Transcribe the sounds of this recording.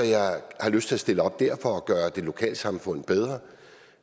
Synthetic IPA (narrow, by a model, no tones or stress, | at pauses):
ɒjɑ̈ɪhɑ̈løsd̥t͡sʰe̝læsd̥e̝ləɒ̽b̥̚d̥æɐ̰fɒ̽ɒɡ̥ɶːɐd̥e̝lo̝kʰɛ̰ːld̥sɑ̈mfɔ̽n̰̩b̥eð̞ˠʁɐ